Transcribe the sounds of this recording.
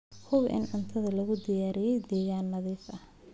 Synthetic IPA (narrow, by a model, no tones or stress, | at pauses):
hʊbʔɪ̰nʕʊnt̪ʰɐðɐlɐɣʊd̪ɪjaːɾɪjɛjd̪ɛːɣaːnːɐðɛːsɐh